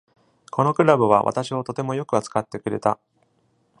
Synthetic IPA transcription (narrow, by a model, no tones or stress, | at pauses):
kʰo̞no̞kɯ̟ɾabɯ̟β̞aβa̰t̪aɕiot̪o̞t̪e̞mo̞jo̞kɯ̟at͡sɨ̥kat̪ːe̞kɯ̟ɾe̞t̪a